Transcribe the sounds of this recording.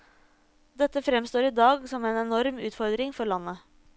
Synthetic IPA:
d̪ɛt̪ːəfɾɛmst̪oːɾɪd̪ɑːɡsɔmeːnɛnɔɾmʉːt̪fɔɾd̪ɾɪŋfɔɾɭɑnːə

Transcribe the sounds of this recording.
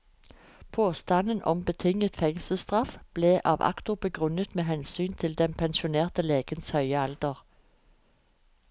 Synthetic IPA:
pʰoːst̪ɑnənʔɔ̰mbət̪ʰɪŋət̪fɛŋsəst̪ʁɑfb̥leːʔɑ̰ːʋʔɑ̰kt̪ʊbəɡʁʉnət̪meːɦɛnsyːnt̪ʰɪld̪ɛnpʰɛnʃʊneːʁt̪əleːɡ̥ənshœʏəɑld̪əʁ

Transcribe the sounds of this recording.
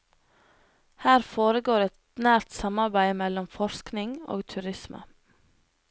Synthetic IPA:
hæːɾfoːɾəɡoːɾɛt̪næːɾt̪sɑmɑɾbæɪmɛlɔmfɔʃknɪŋo̰ːɡt̪ʰʉɾɪsmʔə̰

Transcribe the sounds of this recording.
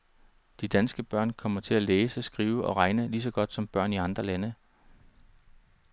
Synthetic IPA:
d̥id̥ænsɡ̥əb̥ɶɐ̰nkʰɒ̽m̰ɐt͡sʰe̝læleːsəsɡ̥ʁiːʊəʔɒ̽ʁɑ̈ɪnəlis̬ɒ̽ɡ̥ɒ̽d̥sɒ̽mb̥ɶɐ̰niɑ̈nd̥ʁɐlænə

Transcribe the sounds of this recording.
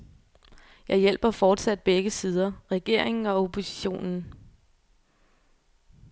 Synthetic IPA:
jɑ̈ɪjel̰b̥ɐfɒːd̥sæd̥̚b̥eɡ̥əsiːð̞ˠɐʁɛɡ̥e̝ɐ̰e̝ŋn̩ɒ̽o̝pʰo̝si̥ɕo̝̰ːnn̩

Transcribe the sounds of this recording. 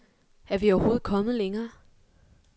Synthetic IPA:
æɐʋiɒʊɐho̝ːð̩ˠkʰɒ̽mð̞̩ˠleŋɐː

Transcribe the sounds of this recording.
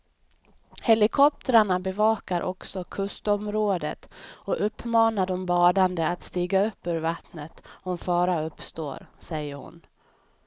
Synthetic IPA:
hɛlɪkʰɔp̚t̪əɾaɳabɛvɑːkaɾʔɔ̰ksɔkʰɵst̪ɔmɾoːd̪ə̰t̪ɔʔɵpʰːmɑːnaɖɔmbɑːd̪and̪əat̪st̪iːɡaɵpːʉ̟ːɾvat̪nət̪ɔnfɑːɾaɵpːst̪o̰ːɾsɛjːəɾhʊ̰n

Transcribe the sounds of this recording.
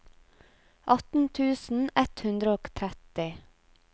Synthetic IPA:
ʔɑt̪n̩t̪ʰʉːsn̩ɛt̪hʉnd̪ɾəoːkt̪ʰɾɛt̪ɪ

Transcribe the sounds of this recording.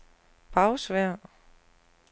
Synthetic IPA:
b̥ɑ̈ʊsʋæɐ̰

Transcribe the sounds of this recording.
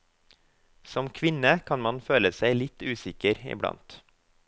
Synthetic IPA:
sɔmkʰʋɪnəkʰɑnmɑnføːləsæɪlɪt̪ʉːsɪkəɾɪ̰blɑ̰nt̪

